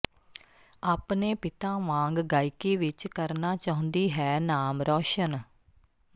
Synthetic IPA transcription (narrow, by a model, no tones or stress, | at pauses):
aːpneːpɪt̪ãːʋãːŋɡɡaːikiːʋɪt͡ʃkəɾnaːt͡ʃaːɦʊ̃nd̪iːɦɛːnaːmɾɔːʃən